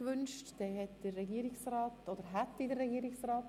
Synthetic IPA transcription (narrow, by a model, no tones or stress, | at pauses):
ʋʏnʃtd̥ɛːhɛtd̥ərːɛɡiːɾɪksrɑːtod̥̪əɾɦæt̪didərːɛɡiːɾɪksraːt